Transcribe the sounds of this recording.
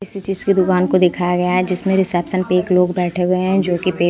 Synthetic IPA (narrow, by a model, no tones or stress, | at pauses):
ɪsit͡ʃiːzkid̪ʊkaːnkod̪eːkʰajaɡɐjaɦɛd͡ʒɪsmẽɾɪsɛːpsənpeːkloːɡbɛːʈʰeɦʊeɦɛ̃d͡ʒoːkipeː